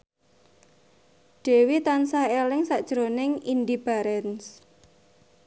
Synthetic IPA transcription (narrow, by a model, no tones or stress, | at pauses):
ɖ̥e̤wit̪ansaelɪŋsaʔd̥ʒ̥ɾonɪŋindib̥a̤ɾɛns